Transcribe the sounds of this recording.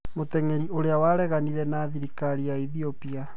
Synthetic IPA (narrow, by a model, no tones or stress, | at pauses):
motɛŋeɾioɾeawaɾɛɣaniɾɛnaːðiɾikaɾijaiðiopia